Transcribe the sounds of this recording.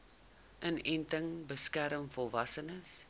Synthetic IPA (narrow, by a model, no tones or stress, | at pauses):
ʔənɛntəŋbəskæɾəmfɔlˠvɐsənəs